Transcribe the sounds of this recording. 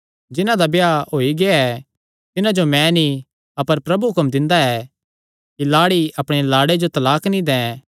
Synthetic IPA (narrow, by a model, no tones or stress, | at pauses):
d͡ʒɪnãd̪abeaɦoːiɡɪaɛ | t̪ɪnãd͡ʒomɛ̃ni | ɐpəɾpɾɐbuɦʊkəmd̪ɪ̃nd̪aɛː | kilaːɽiʔɐpɽ̃elaːɽed͡ʒot̪ɐlaːknĩd̪ɛ̃ː